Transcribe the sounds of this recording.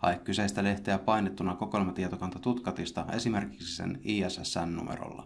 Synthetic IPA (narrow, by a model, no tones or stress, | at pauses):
ɑ̰jkkːyseist̪æle̞ht̪eæpɑjnet̪ːunɑkokolmɑt̪iet̪okɑnt̪ɑt̪ut̪kɑt̪ist̪ɑe̞sime̞rki̥ksisḛniːæsæsːæ̰nːṵmḛɾo̰lːɑ̰